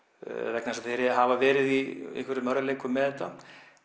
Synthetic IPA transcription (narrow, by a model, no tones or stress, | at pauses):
ɾɛknasaθejɾɛaɦavavɛːɾɪðiɪ̰hkʰvɛɾʏmœɾðaleːjkʏmːɛðɛt̪a